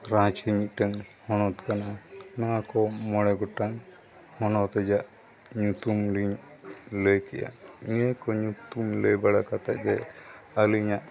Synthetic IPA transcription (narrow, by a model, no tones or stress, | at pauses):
ɾãt͡ʃiɲit̪̚ˀʈaŋ | hɔnɔt̪kananawakɔmɔɽɛɡɔʈaŋ | hɔnɔt̪ɛd͡ʒaʔ | ɲut̪umɾiɲləjkɛʔa̰ɲɛkɔɲut̪umləjbaɽakat̪aʔ̚ɡɛəliɲaʔ